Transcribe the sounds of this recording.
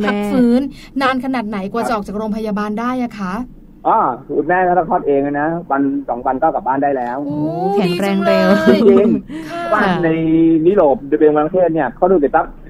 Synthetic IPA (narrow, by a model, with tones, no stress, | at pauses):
pma˦˧k̚fɯː˦˥nː | aː˧nkʰa˧naː˨˩t̪̚na˩˦jku˨˧a˨ʔɔː˨˩k̚t͡ɕaː˨˩kɾoː˧mpʰa˧jaː˧baː˧ndaː˥˩jʔa˨˩kʰa˦˥ʔ | ʔɔː˧˩sʰuː˨˩t̪̚mɛː˥˩t̪ʰaː˥˩ɾaː˧˥˩ɔː˥˩t̪̚ʔeː˧ŋa˧˩na˦˥wa˧nsɔ˩˦ŋwa˧nkaː˥˩ka˨˩baː˥˩ndaː˥˩jlɛː˦˥wkʰɛ˩˦ŋɾɛː˧ŋɾe˧wt͡ɕi˧ŋʰ˦˥waː˥˩na˧jniː˦˥˩loː˨˩p̚dbeː˧nwa˧a˧kʰeː˥˩t̪̚ni˥˩ɐkʰaː˥˩du˧˩ka˨˩t̪a˦˥p̚